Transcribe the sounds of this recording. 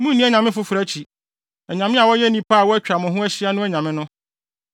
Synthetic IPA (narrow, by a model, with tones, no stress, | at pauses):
mũ˦nĩ˦ɛ˦ɲã˨mɪ̃˦fʊ˦fɾa˦t͡ɕʰi˨ | ɛ˨ɲã˨mɪ̃˦a˨wɔ˦jɛ˦nĩ˨pʰa˦a˨wɔ˦æ˦t͡ɕᶣa˨mʊ̃˨ɦʊ̃˦ɛ˦ɕɪ˦a˦nʊ̃˦ɛ˦ɲã˨mɪ̃˦nʊ̃˦